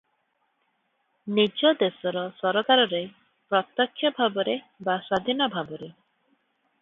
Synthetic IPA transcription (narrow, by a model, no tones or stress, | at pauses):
nid͡ʒɔd̪esɔɾɔsɔɾɔkaɾɔɾe | pɾɔt̪ɔkʰːjɔbʱabɔɾe | basad̪ʱinɔbʱabɔɾe